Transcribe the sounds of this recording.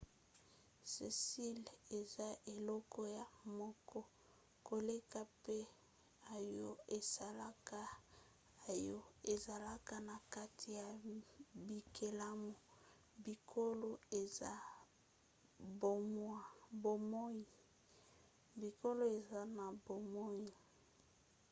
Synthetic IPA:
se˨si˦le˨za˦ʔe˨lɔ˦kɔ˦ja˨mɔ˦kɔ˦ | ko˨le˦ka˦pe˦ | a˨jɔ˦e˨sa˨la˦ka˦ | a˨jɔ˦e˨za˨la˦ka˦na˨ka˦tʰi˨ja˨bi˨kʰe˨la˦mo˨ | bi˨kʰo˦lo˦e˨za˦ | bo˨mwa˨bo˨mo˦ji˨ | bi˨ko˦lo˦e˨za˦na˨bo˨mo˦ji˨

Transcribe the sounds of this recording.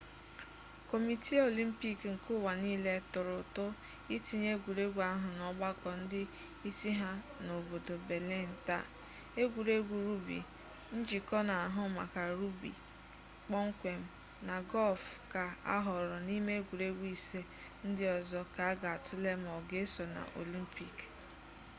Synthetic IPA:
ko˨mi˨ti˦o˨li˦m̩˦pi˦kŋ̩˨kʊ˦wa˨niː˦le˦tʊ˨ɾʊ˨tʊ˦ | i˦ti˦ɲe˦ɡʷu˨ɾe˦ɡʷu˨˦a˦ɦʊ˨nɔ˦ɡ͡ba˦kɔ˨n̩˦dɪ˦ | i˦si˦ɦa˦ | no˨bo˨do˨be˨le˦˨n̩˨ta̰˦˨ | e˦ɡʷu˨ɾe˦ɡʷu˨ɾu˦bḭ˨ | n̩˦d͡ʒi˨kɔ˦na˨a˨ɦʊ˦ma̰˨ka˨ɾu˦bḭ˨ | k͡pɔ˦ŋ̩˦kʷe˨m̩˦ | na˨ɡɔ˦lfka˨a̰˦ɦɔ˨ɾɔ˨ni˦me˦ɡʷu˨ɾe˦ɡʷi˨se˦ | n̩˦dɪ˦ɔ˨zɔ˦ka˨a˦ɡa˨tʊ˦le˦m˨ɔ˨ɡe˦sɔ˨na̰˨ʔo̰˨li˦m̩˦pi˦k

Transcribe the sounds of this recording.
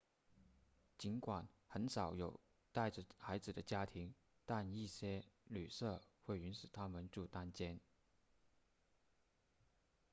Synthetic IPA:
t͡ɕi˧˥nkwa˨˩nxə˧˥nʂɑ˨˩˦ʊjo˨˩ʊ | t̪a˥˩ɪʈ͡ʂə˩xa˧˥ɪd͡zɹ̩˨˩d̪ə˦t͡ɕja˥t̪ʰi˧˥ŋ | t̪a˥˧ni˥˩ɕjɛ˥ly˨˩sɤ˥˧xwe˥˩ɪy˧˥nʂy˨˩t̪ʰa˥mə˨nʈ͡ʂu˥˩t̪a˥nt͡ɕjɛ˥n

